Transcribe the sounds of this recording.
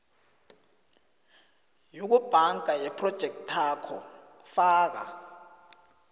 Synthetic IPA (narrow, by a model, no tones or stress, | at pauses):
juk̬ub̥ʱaŋɡʱajɛpʰrɔd̥ʒ̥ʱɛk̚tʰakʰɔ | faːk̬a̰